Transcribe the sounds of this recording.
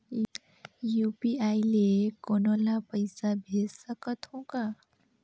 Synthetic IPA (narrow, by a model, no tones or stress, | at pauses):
jupiajlekonolapʌjsabʱesʌkʌt̪ʰõka